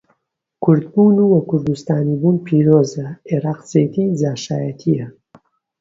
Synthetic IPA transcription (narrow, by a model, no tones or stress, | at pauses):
kʰʊɾd̪buːnuwɐkʰːʊɾd̪ust̪aːnibuːnpʰiːɾoːzɐeɾaːqt͡seːt̪ʰid͡zaːʃaːjɐt̪ʰijɐ